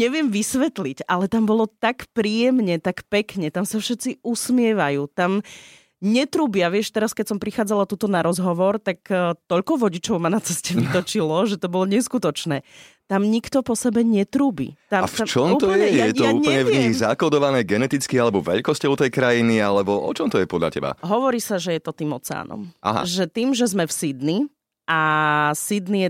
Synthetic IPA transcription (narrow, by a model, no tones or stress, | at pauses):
ɲɛʋɪɛmʋisʋɛt̪licalɛt̪ambɔlɔt̪akpɾijɛmɲɛt̪akpɛkɲɛt̪amsafʃɛt̪t͡siʔusmɪɛʋajuːt̪am | ɲɛt̪ɾuːbiaʋɪɛʃt̪ɛɾaskɛcsɔmpɾixaːd͡zalat̪uːt̪ɔnaɾɔzɦɔʋɔɾt̪akːt̪ɔʎkɔʋɔɟit͡ʃɔʊmanat͡sɛscɛʋit̪ɔt͡ʃilɔʒɛt̪ɔbɔlɔɲɛskut̪ɔt͡ʃnɛːt̪amɲikt̪ɔpɔsɛbɛɲɛt̪ɾuːbḭt̪amafat͡ʃɔmt̪ɔjɛɛjɛt̪ɔuɲlɛɲɛɲiɣzakɔd̪ɔʋanɛːɡɛnɛt̪it͡skialɛbɔʋɛ̰ʎkɔscɔʊt̪ɛjkɾajinialɛbɔʔɔ̰t͡ʃɔmt̪ɔjɛpɔd̪ʎa̰cɛ̰ba̰ɦɔʋɔɾiːsaʒɛjɛt̪ɔt̪iːmɔt͡sɛa̰ːnɔ̰ma̰ɦa̰ʒɛt̪iːmʒɛzmɛfsid̪ni | asid̪nijɛ